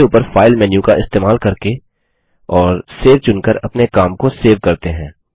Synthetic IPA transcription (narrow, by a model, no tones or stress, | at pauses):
uːpəɾfʰaːɪlmɛːnjũkaɪst̪eːmaːlkɐɾke | ɔːɾseːɾt͡ʃʊnkəɾɐpnekaːmkoseːʋkɐɾt̪eɦɛ̃ː